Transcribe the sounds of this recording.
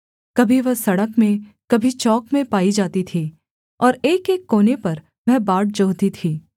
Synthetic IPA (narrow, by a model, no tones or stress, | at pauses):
kɐbʱiʋɐɦsɐɽəkmẽ | kɐbʱit͡ʃɔːkmẽpaːid͡ʒaːt̪it̪ʰiː | ɔːɾeːkeːkːoːnepɐɾ | ʋɛɦbaːʈ̚d͡ʒoːɦt̪it̪ʰiː